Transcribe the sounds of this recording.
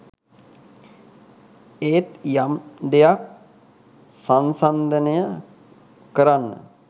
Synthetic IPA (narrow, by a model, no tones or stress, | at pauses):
eːt̪jamɖ̪ejak̚ | sansand̪ənəjə | kəɾanːə̰